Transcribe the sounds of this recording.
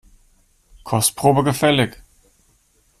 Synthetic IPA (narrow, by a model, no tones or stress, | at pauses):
kʰɔstpʁ̥oːbəɡəfɛlɪk